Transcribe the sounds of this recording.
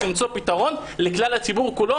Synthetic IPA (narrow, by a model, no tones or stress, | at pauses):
imt͡so̞pitaʁo̞nleklalhat͡sibuʁkulo